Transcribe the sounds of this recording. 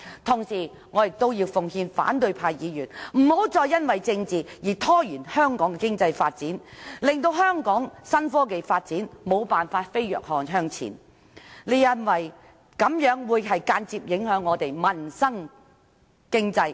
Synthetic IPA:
t̪ʰʊ˨˩ŋsiː˨˩ | ŋɔː˨˧jɪ˨k̚t̪o˥wjiː˧wfʊ˨ŋhiː˧nfa̰ː˨˥nt̪ɵ˧ɥpʰaː˧jjiː˨˧jyː˨˩nm̩˨˩ho˨˥wt͡sɔː˧jɐ˥nwɐ˨jt͡sɪ˧ŋt͡siː˨jiː˨˩t̪ʰɔː˥jyː˨˩nhœː˥ŋkɔː˨˥ŋkɛ˨˧kɪ˥ŋt͡sɐ˧jfaː˧t̚t͡siː˨˥nlɪ˨˩ŋt̪o˧wɦœː˥ŋkɔː˨˥ŋsɐ˥nfɔː˥ke˨jfaː˧t̚t͡siː˨˥nmo˨˧wpaː˨nfaː˧t̚fe˥jjœ̰ː˨k̚hɔː˧ŋɦœː˥ŋt͡sʰḭː˨˩n | le˨˥jːɐ˨˩nwɐ˨j | kɐ˨˧˥mjœː˨˥ŋwuː˨˧jɦɐ˨jkaː˧nt͡siː˧p̚jɪ˨˥ŋɦœː˨˥ŋːɔː˨˧t̪e˨jmɐ˨nsɐ˥ŋ | kɪ˥ŋt͡sɐ˧j

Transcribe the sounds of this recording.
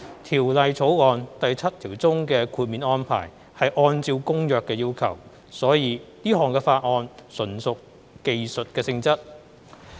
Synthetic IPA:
t̪ʰiː˨˩wlɐ˨jt͡sʰo˨˥wɔː˨˧nt̪ɐ˨jt͡sʰɐ˥t̚t̪ʰiː˨˩wt͡sʊ˥ŋkɛː˧kʰuː˧t̚miː˨˧˥nɔː˥npʰa̰ː˨˩j | hɐ˨jʔɔː˧nt͡siː˧wkʊ˥ŋjœː˨kːɛː˧jiː˥wkʰɐ˨˩w | sɔː˨˥jiː˨˧t̪iː˥ɦɔː˨ŋkɛː˧faː˧t̚ŋɔː˧nsɵ˨˩nsʊ˨k | ke˨jsɵ˨t̚kɛː˧sɪ˧ŋt͡sɐ˥t̚

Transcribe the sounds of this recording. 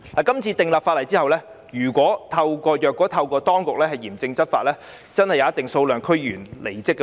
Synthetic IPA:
laː˨˩kɐ˥mt͡sʰiː˧t̪ɪ˨ŋlaː˨p̚faː˧t̚lɐ˨˩jt͡siː˥hɐ˨wlɛː˥ | jyː˨˩kʷɔː˨˥t̪ʰɐ˧wkɔː˧jœː˨kːɔː˨˥t̪ʰɐ˧wkɔː˧t̪ɔː˥ŋkʊ˨k̚lɛː˥hɐ˨jːiː˨˩mt͡sɪ˧ŋt͡sɐ˥t̚faː˧t̚lɛː˥ | t͡sɐ˥nhɐ˨jːaː˨˧˦ɐ˥t̪ːɪ˨˩ŋso˧wlœː˨ŋkʰɵ˥jyː˨˩nle˨˩jt͡sɪ˥kː

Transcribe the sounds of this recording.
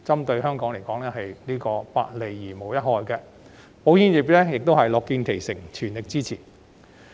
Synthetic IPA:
t͡sɐ˥mt̪ɵ˧ɥɦœː˥ŋkɔː˨˥ŋle˨˩jkɔː˨˥ŋlɛː˥ɦɐ˨jliː˥kɔː˧pa̰ː˧t̚le˨˩jːiː˨˩mo˨˩wjɐ˥t̚hɔː˨˧jkɛ˧ | po˨˥wjiː˥nji˨˩p̚lɛː˥jɪ˨k̚t̪o˥whɐ˨jlɔː˨kːiː˧nkʰe˨˩jsɪ˨˩ŋt͡ʃʰyː˨˩nlɪ˨k̚t͡siː˥t͡sʰiː˨˩n

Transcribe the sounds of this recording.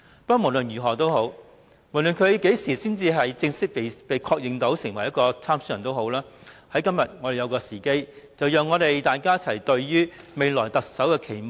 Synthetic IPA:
pɐ˥mo˨˩wlɵ˨njyː˨˩ɦɔː˨˩t̪o˥who˨˥w | m˨˩lɵ˨nkʰɵ˨˧ke˨˥jsiː˨˩siː˥nt͡siː˧ɦɐ˨jt͡sɪ˧ŋsɪ˥k̚pe˨pe˨˧jkʰɔː˧k̚jɪ˨ŋt̪o˨˥wsɪ˨˩ŋwɐ˨˩jɐ˥tkɔː˧t͡sʰaː˥msyː˧˥˨nt̪o˥who˨˥wlaː˥hɐ˨˥jkɐ˥mjɐ˨t̚ŋɔ˨˧ɾe˨jɐ˨˧wkɔː˧siː˨˩ke˥j | t͡sɐ˨wjœː˨˧ŋːɔː˨˧ɾe˨jt̪aː˨jkaː˥j̚t͡sʰɐ˨˩jt̪ɵ˧ɥjyː˥me˨˧jlɔː˨˩jt̪ɐ˨k̚sɐ˨˥wkɛː˧kʰe˨˩jmo˨˩

